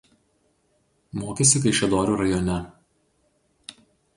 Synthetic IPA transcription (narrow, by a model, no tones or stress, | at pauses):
moːkʲesʲɪkɐɪʃʲɛd̪oːɾʲuːɾɐjɔnʲɛ